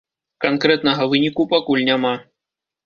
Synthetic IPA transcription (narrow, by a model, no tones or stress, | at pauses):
kankɾɛt̪nɐɣɐvɨnʲikupakulʲnʲama